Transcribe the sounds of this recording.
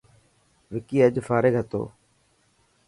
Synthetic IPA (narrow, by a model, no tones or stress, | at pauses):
ʋɪkiːəd͡ʑfaːɾɪɡɦət̪o̰ː